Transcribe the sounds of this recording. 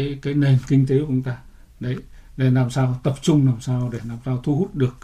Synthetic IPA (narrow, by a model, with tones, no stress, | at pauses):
jkaː˨˦jne˨˩nkï˧ŋ̟t̪e˨˦kʔʊ˨˧˦ŋ͡mt̪aː˧ | ɗə˨˦j | ɗe˧˩laː˨˩msaː˧wt̪ə˨˩p̚t͡ɕʊ˧ŋ͡mlaː˨˩msaː˧wɗe˧˩laː˨˩msaː˧wt̪ʰu˧hu˦˥t̚ɗɨ˨˩ək̚